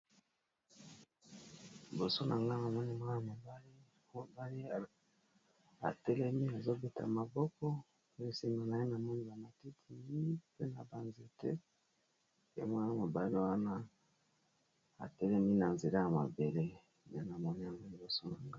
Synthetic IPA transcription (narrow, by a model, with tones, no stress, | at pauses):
i˨bo˨so˦nʔa˨ŋɡa˦na˨mɔ˦ni˦mwa˦na˨mo˨ba˦li˦ | o˦ba˦li˦˨ | a̰˨tɛ˦lɛ˦mi˦a˨zo˦be˨ta̰˨ma˨bɔ˦kɔ˦ | e˦˨si˦ma˨na˨je˦na˨mɔ˦ni˦ba˨ma˨ti˦tʰi˨mi˦pe˦na˨ba˨nze˨tḛ˦ | ḛ˦m˦a˦na˨mo˨ba˦li˦wa˦na˦ | a̰˨tɛ˦lɛ˦mi˦na˨nze˨la˦ja˨ma̰˨be˨le˦ | ne˨na˨mɔ˦ni˦a˨ŋɡo˦li˨bo˨so˦na˨ŋɡa˦